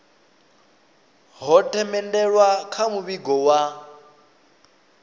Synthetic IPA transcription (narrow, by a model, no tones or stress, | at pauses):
ɦɔtʼɛmɛndɛɺwakʰamuβiɡɔwa